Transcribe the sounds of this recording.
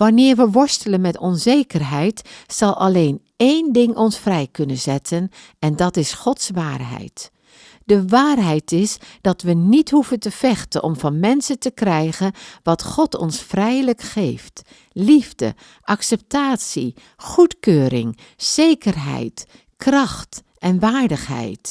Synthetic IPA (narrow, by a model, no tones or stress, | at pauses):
ʋanɪːɹʋəʋɔɹstələnmɛtɔnzejkərɦɛjtsɑlˠʔɑ̰leːn | eːndɪŋʔɔnsfrɛjkɵnənzɛtʰən | ɛndɑtɪsχɔtsʋaːrɦɛ̰jt | dəʋaːrɦɛjtɪsd̥ɑtʋənitɦuvəntəv̥ɛxtənʔɔmvɑnmɛnsəntəkrɛjɣənʋɑtχɔtʰɔ̰nsfrɛjləkxejft | livdə̰ | ʔɑksɛp̚taːtsi | χutkøːɾɪ̰ŋ | z̥ejkərɦɛ̰jt | krɑxt | ʔɛnʋaːɹdəxɦɛ̰jt